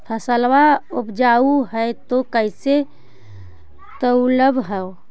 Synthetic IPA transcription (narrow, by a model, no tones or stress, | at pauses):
pʰəsəlwaʊpd͡ʒauɦɛt̪okəɪse | t̪əuləbʱɦɛo